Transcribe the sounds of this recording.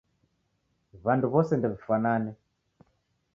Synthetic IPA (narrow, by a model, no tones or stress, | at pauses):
βanduβɔsɛndɛβifananɛ